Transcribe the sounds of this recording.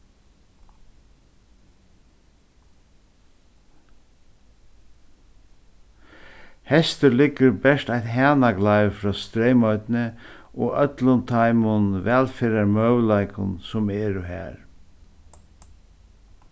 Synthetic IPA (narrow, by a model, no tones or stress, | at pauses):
hɛst̪əɾlɪkːəɾbɛʂt̪ajt̪ɦæːnaɡlaɪʋfɾɔːst̪ɾejmɔt̪nəʔɔ̰ːœt̪lʊnt̪ʰaɪmʊnʋɛːlfeːɾaɾmœwlaɪkʊ̰nsʊmɛːɾʊɦæ̰ːɾ